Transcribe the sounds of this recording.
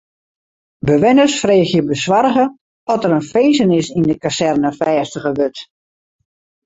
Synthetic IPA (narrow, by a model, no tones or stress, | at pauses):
bəʋɪnəsfreːxjəbəswarɣə | ɔtəɾənfeːzənɪsindəkasɛrnəfɛːstəɣəʋøt